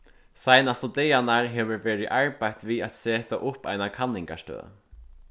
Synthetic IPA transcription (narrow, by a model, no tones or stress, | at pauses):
sajnast̪ɔt̪ɛjanaɹɦɛːʋʏɾvɛːɾɪʔaɹpajt̪viat̪seːt̪aʔʊpa̰jnakʰanːɪŋka̰ʂt̪ø̰ː